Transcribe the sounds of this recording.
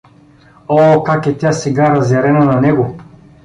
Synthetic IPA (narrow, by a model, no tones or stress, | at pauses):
ɔːkakɛt̪ʲjasɛɡaɾɐzɛɾɛnɐnɐnɛɡo